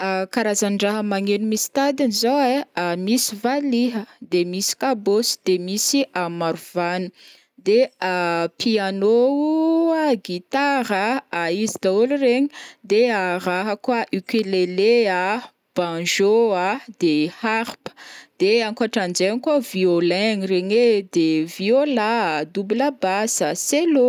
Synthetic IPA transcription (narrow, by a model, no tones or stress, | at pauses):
akaɾazanɖ͡ʐaɦəmaŋenumisi̥t̪ad̪anizoweamisivaliɦəd̪emisi̥kabosi̥d̪emisiʔamaɾuvanu | d̪eapianouaɡit̪aɾəaizid̪aulureɲi̥d̪eaɾaɦakwaʔikelelea | b̥ãʒoad̪̥ehaɾpə̥d̪̥eaŋkaʈ͡ʂand͡ʒenkaviolɛŋiɾeɲed̪eviolad̪ubulabasəselo